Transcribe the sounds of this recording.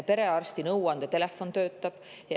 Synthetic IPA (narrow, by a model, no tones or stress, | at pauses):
pe̞ɾe̞ɑrst̪inɤwɑnd̪̥ɑt̪e̞lefːo̞nt̪ø̞ːt̪ːɑb̥ | jɑ